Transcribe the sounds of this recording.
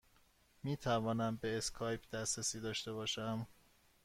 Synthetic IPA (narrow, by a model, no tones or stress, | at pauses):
miːt̪ʰævɒːnæmbe̞ːskʰɒːjpʰd̪̥æsɾæsiːd̪ɒːʃt̪e̞bɒːʃæm